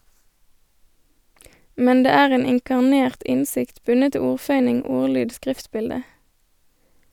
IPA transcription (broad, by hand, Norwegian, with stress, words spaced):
ˈmɛn ˈdeː ˈæːʁ ˈeːn ɪŋkɑʁˈneːʁt ˈʔɪnˌsɪkt ˈbʉnə ˈtɪ ˈuːʁˌfœʏnɪŋ ˈuːʁˌlyːd ˈskʁɪftˌbɪldə